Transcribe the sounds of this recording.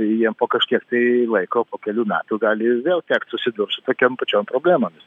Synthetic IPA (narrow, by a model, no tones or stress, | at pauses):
jiɛmpoːkɐʃʲkʲiɛkt̪ɐɪlˠɐɪkoːpoːkʲɛlʲuːmʲæ̰ːt̪uːɡɑːlʲɪʋʲeːlˠt̪ʲæːkt̪sʊsʲɪd̪ʊɾsʊt̪oːkʲoːmpɐt͡ʃʲoːmpɾoːbʲlʲæːmoːmʲɪs